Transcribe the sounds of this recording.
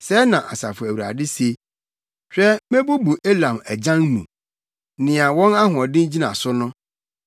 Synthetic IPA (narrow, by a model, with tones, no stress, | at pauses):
sɛ˨˦nã˨ʔa̰˨sa̰˨fʊ˨æ˨wu˨ɾa̰˨dɪ˦se˦ | t͡ɕʰᶣɾɛ˦mẽ˦bu˦bu˨ʔe˦lã˨mæ˨d͡ʑã˦nnṵ̃˨ | nɪ̃˨a˨wɔ̃˦na˦ɦʊ̃˨ɔ˨dɪ̃˦n˦d͡ʑi˦nã̰˨sʊ˦nʊ̃˦